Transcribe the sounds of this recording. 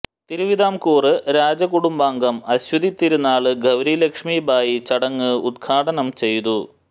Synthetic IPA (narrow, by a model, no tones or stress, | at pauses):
t̪iɾuʋiðaːmkuːrɨɾaːd͡ʑɐkuɽumbaːŋɡɐmɐɕwɐd̪it̪ːiɾunːaːɭɨɡʱɐʋɾilɐkʂmiːbaːjit͡ɕɐɽɐŋːɨud̪̚ɡʰʱaːʈɐnɐmt͡ɕe̞jt̪u